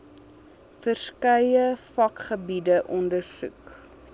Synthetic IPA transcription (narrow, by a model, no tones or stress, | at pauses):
fərskœjəfɐkχəbidəʔɔndərsʉ̰k